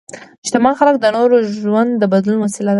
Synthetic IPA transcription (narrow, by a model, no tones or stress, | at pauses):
ɪʃt̪ɪmɑnxalək̚d̪ənoɾoʒwand̪ːəbad̪lunwasɪlad̪a